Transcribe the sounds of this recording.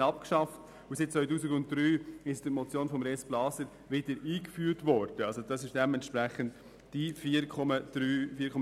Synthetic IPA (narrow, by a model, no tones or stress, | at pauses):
ɑpkʃɑft | ʊsɪt̚t͡sʋœʏtuːsɪɡʊntd̪̥ɾyːɪsd̥əɾmɔt͡sjoːnfɔmɾɛsb̥lɑːsəɾ | ʋɪdəɾiːkfyːɾtʋɔɾd̥əɑlsod̥ɑsɪʃd̥ɛmɛntʃpɾɛχənt | d̥ifiːɾkʰɔməd̪̥ɾyːfiːkʰɔm